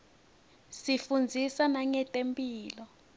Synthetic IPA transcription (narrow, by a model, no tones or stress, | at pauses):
sifund͡zʱisanaŋɛtʼempʼiːlɔ